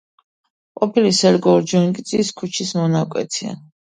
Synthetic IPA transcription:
qʼɔpʰilisɛɾɡɔɾd͡ʒɔnkʼid̪sʼiskʰut͡ʃʰismɔnakʼwɛ̰t̪ʰia̰

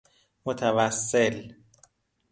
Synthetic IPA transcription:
mot̪ʰævæsːel

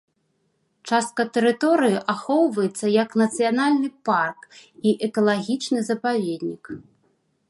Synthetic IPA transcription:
t͡ʂast̪̚kɐt̪ɛɾɨt̪ɔɾɨjiʔaxɔwvɐjɛt̪sːɐjɐknɐt̪sɨjanalʲnɨparkiʔɛkɐlˠaɣʲit͡ʂnɨzɐpavʲed̪ʲnʲik

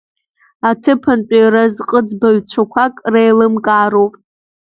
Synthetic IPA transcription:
atʰɨpʰant͡pʷʼiɾazqʼəd͡zbaɥt͡ɕʷʰakʷʰakʼrejlɨmkʼaːɾowpʼ

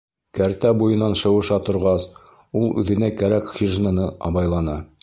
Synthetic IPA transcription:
kæɾt̪æbujɤ̆nɑnʃɤ̆wɤ̆ʃɑt̪ŏɾʁɑs | ulˠʉ̰ðɘ̆nækæɾækχʲiʒnɤnɤʔɑ̰βɑjlˠɑnɤ

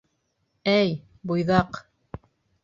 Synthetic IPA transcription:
æj | bujðɑq

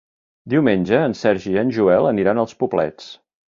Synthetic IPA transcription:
d̪iwmenʲd͡ʒəːnsɛɾʒiənʒuɛlˠəniɾanəlˠspublɛ̰t͡s

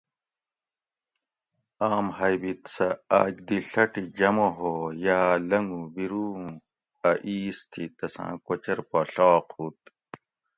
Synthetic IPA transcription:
aːmhɐjbit̪sɐa̰ːd͡ʑd̪iɬɐʈid͡ʑɐmoɦojaːlɐŋɡubiɾuː | ɐʔiːst̪ʰit̪ɐsã̰ːkot͡ɕɐɾpɐɬːqhuːt̪̚

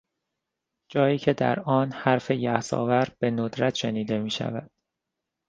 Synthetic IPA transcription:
d͡ʒɒːjiːcʰe̞d̪æ̰ɾɒːnhæɾfe̞jæhsɒ̰ːvæɾb̥e̞nod̪ɾæt̪ʰʃe̞niːd̪e̞miːʃæ̰væd̪̥̚

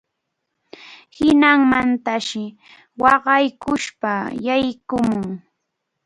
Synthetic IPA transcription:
hɪnaŋmant̪aʃɪ | wɑɢɑjkʊʃpajajkʊmʊŋ

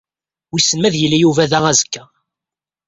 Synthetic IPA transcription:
wisəmːæðjəlːæjuvæðææzəkːæ

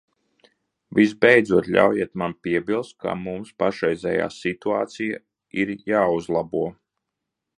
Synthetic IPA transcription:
visbɛjd̪zuɔt̪lʲa̰wjɛɛt̪manpʲiɛbilˠst̪̚ka̰mumspaʃɾɛjzʲɛ̰ja̰ːsit̪uaːt̪sija | iɾjaːuzlˠabuɔ

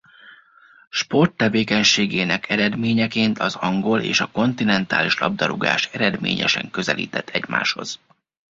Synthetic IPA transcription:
ʃpo̞rt̪ːɛveːkɛɲʃeːɡeːnɛkʰɛɾɛd̪meːɲɛkeːnt̪ʰɒzɒŋɡo̞lḛːʃɒko̞nt̪inɛnt̪a̰ːliʃlɒ̰b̚d̪ɒɾuɡa̰ːʃɛɾɛd̪mḛːɲɛ̰ʃɛŋkø̞zɛlḭːt̪ɛt̪ʰːɛɟma̰ːʃho̞̰z̥

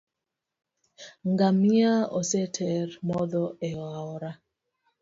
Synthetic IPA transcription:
ŋɡamiaɔsɛtʰɛɾmɔðɔɛwaɔɾa

